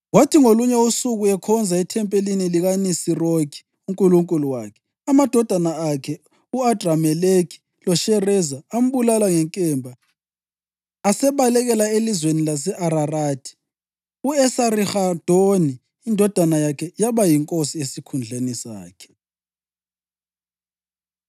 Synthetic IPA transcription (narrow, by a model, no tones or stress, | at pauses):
watʰiŋoluɲɛusuɣuɛkʰɔnd͡zʱaitʰɛmpʼeliniliɣanisiroɡi̥ | uŋkʼuluŋkʼuluwakʰɛ̥ | amad̥ʱɔd̥ʱanaakʰɛ | uad̥ramɛlekʰi̥ | lɔʃɛrɛzaːm̩βulalaŋɛŋkʼɛmbʱa | sɛβalɛɣɛlaelizwenilas̬ɛʔaɾaradʰʱi̥ | uɛsaɾixad̥ʱoni | indʱɔd̥ʱanajakʰɛjaβajiŋkʼosiesikʰund͡ɮʱenisa̰ːkʰɛ̥